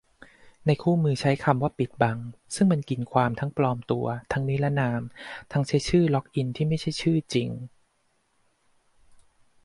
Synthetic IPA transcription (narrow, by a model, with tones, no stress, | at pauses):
na˧jkʰuː˥˩mɯː˧t͡ɕʰa˦˥jkʰa˧mwaː˥˩pi˨˩t̪̚ba˧ŋsɯ˥˩ŋma˧nki˧nkʰwaː˧mt̪ʰa˦˥ŋplɔː˧mt̪u˧ɐt̪ʰa˦˥ŋni˦˥la˦˥naː˧mt̪ʰa˦˥ŋt͡ɕʰa˦˥˩jt͡ɕʰɯː˥˩lɔ˦˥k̚ʔi˧nt̪ʰiː˥˩ma˥˩jt͡ɕʰa˥˩jt͡ɕʰɯː˥˩t͡ɕi˧ŋ